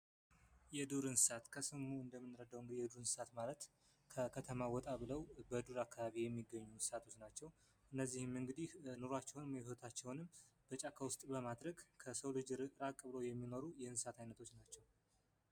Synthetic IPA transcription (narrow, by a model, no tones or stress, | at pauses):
jɛd̪uɾɨnsɨsat̪kʰəsɨmuɨnd̪əmːɨnɾəd̪awɨŋɡɨd̪ijɛd̪uɾɨnsɨ̥sat̪malət̪ | kʰəkʰət̪ʰəmawɔt̪ʼaβɨləwbəd̪uɾakːaβaβijɛmːiɡəɲːunsɨsat̪ʰo̞t͡ʃːnat͡ʃːɛw | ʔɨnːəzːihɨmɨŋɡɨd̪ihnoɾoat͡ʃːɛwnɨmot̪ʰat͡ʃːɛwnɨmb̥ət͡ʃʼakʰawʊst̪ʼbəmad̪ɾəɡkʰəsəwlɨd͡ʒɾɨɾakʼɨβɨlojɛmːino̞ɾujɛɨnsat̪ʰajnət̪ʰo̞t͡ʃːnat͡ʃːɛw